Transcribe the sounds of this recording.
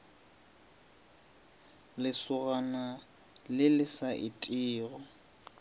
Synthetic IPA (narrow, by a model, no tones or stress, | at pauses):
lɪsʊɣana | lɪlɪsaʔɪtʼɪːɣɔ